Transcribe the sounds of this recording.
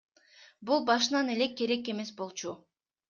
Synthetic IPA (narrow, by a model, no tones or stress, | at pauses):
bulˠbɑʃ̬ɯnɑne̞le̞kːe̞ɾe̞kːe̞me̞sbo̞lˠt͡ʃu